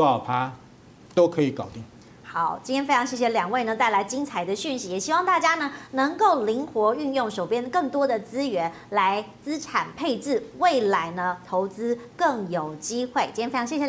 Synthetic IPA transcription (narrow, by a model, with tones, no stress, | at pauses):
ɑ˥˨˩pʰa˦ | t̪o˥ʊkʰɤ˨˧˥i˨˧˦kɑ˨˩ʊt̪i˥˩ | xɑ˨˩˦ʊt͡ɕi˥˧t̪ʰjɛ˥nfjʰɑ˧˥ŋɕjɛ˥˩ɕ̬jɛ˩ljɑ˨˩ŋwe˥˩ɪnə˧˩t̪a˥˩ɪla˧˥ɪt͡ɕi˥ŋt͡sʰa˧˥ɪd̪ə˧ɕy˥˩nɕi˧˥jɛ˨˩ɕi˥wɑ˥˧ŋt̪a˥˩t͡ɕja˥nə˨nɤ˧˥ŋko˥˩ʊli˧˥ŋxwɔ˧˥y˥˧njʊ˥˩ŋʂo˨˩ʊpjɛ˥nkɤ˥˩ŋt̪wɔ˥d̪ə˨t͡sɹ̩˥ɥɛ˧˥n | la˧˦˥ɪt͡sɹ̩˥ʈ͡ʂʰa˨˩npʰe˥˧ɪt͡sɹ̩˥˩we˥˩ɪla˧˥ɪnə˧t̪ʰo˧˥ʊt͡sɹ̩˥kɤ˥˩ŋjo˨˩ʊt͡ɕi˥xwe˥˩ɪt͡ɕi˥jʰɕjɕɛ˨˧